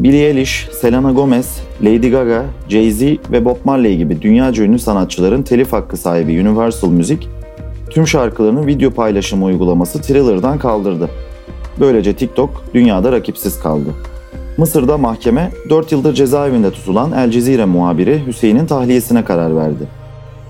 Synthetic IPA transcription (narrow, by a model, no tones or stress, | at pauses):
bilʲielʲiʃse̞lʲanaɡo̞mɛslʲejd̪iɡaɡad͡ʒejzivɛbo̞pmaɾlʲˠaiɟibid̪ynjaːd͡ʒønʲysanat̪̚t͡ʃʰɯlˠaɾɯnt̪ʰe̞lʲifhakːɯsaːɦibiynivæɾsɯlˠmyzic | t̪ʰymʃaɾkʰɯlˠaɾɯnɯnvid̪jo̞pʰajlʲˠaʃɯmujɡulˠamasɯt̪ʰɾilˠɯɾd̪ankʰalˠd̪ɯɾd̪ɯbø̞jlʲe̞d͡ʒɛt̪ʰic̚t̪ʰo̞k̚d̪̥ynjaːd̪aɾacʰipsiz̥kʰa̰lˠd̪ɯ | mɯsɯɾd̪amaxcʰe̞mɛd̪ø̞ɾt̪jɯlˠd̪ɯɾd͡ʒe̞zaːevind̪ɛt̪ʰu̥t̪ʰulˠanælʲd͡ʒe̞ziːɾɛmuɦaːbiɾiɦyse̞jinint̪ʰaxlʲije̞sinɛkʰaɾaɾvæ̰ɾd̪ɪ